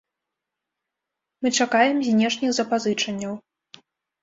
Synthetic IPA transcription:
mɨt͡ʂakajɛmzʲnʲɛʂnʲiɣzɐpazɨt͡ʂɐnʲːɐw

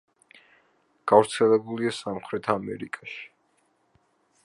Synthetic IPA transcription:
ɡ̥avɾt̪sʰɛlɛbuliasamχɾɛt̪ʰamɛ̰ɾikʼaʃi̥

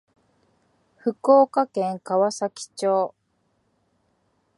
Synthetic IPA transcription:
ɸɯ̟koːkakẽ̞ŋkaβasakʲi̥t͡ɕoː

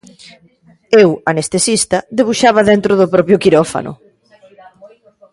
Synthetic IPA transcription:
ewanest̪esist̪ɐðeβ̞uʃaβ̞ɐðent̪ɾʊðʊpɾɔpjʊkiɾɔfa̰nʊ̰

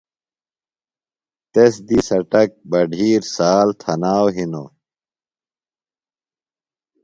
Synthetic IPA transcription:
t̪esd̪isɐʈɐk̚bɐɖʱiːɾsaːlt̪ʰɐnaːwɦino̰

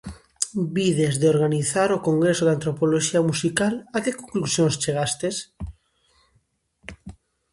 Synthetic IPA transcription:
biðezðeoɾɣaniθaɾokoŋɡɾesoðant̪ɾopoloʃiamusikalakekoŋklusjõŋst͡ʃeɣ̞ast̪es

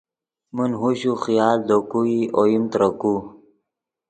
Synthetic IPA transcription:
mənɦuɕuxijaːld̪okuiʔojimt̪ɾəku

